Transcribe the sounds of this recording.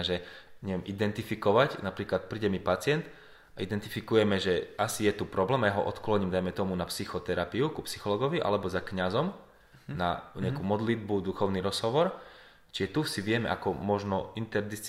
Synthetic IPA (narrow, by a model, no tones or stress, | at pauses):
ʒɛɲɛʋɛmʔid̪ɛnt̪ifikɔʋacnapɾiːklat̪̚pɾiːɟɛmipat͡sɪɛnt̪ | aʔid̪ɛnt̪ifikujɛmɛʒɛasijɛt̪upɾɔblɛːmajaɦɔʔɔ̰t̪klɔɲimd̪ajmɛt̪ɔmunapsixɔt̪ɛɾapiukupsixɔlɔːɡɔʋiʔa̰lɛbɔzakɲazɔm | na̰ɲɛakuːmɔd̪lid̪̚bud̪uxɔʊniɾɔz̥ɦɔʋɔɾ | t͡ʃiʒɛt̪usiʋɪɛmɛ̰ʔa̰kɔmɔʒnɔint̪ɛɾd̪is